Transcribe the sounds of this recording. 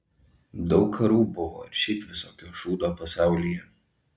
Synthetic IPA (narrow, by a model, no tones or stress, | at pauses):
d̪ɒʊkkʰːɐɾuːbʊʋo̰ːɪɾʃʲɛɪpʋʲɪsoːkʲoːʃuːd̪oːpɐsɑˑʊlʲijɛ